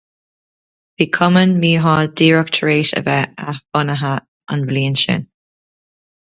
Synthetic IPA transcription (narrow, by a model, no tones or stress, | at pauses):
v̥iːkʰɔmənmiːɦɑd̥iːɹəktʰɹeːʃə̰vɛab̥ʊnəɦə | anvliːənʃɪ̰n